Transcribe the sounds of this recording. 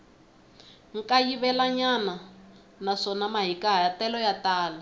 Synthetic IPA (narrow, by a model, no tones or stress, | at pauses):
ŋ̩kajiβɛlaɲana | naʂɔnamaɦikaɦajatɛlɔjataːla